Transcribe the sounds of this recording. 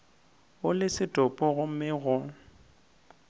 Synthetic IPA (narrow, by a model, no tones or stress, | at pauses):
ʊlɪsɪtʼɔpʼɔɣʊm̩mɪɣʊ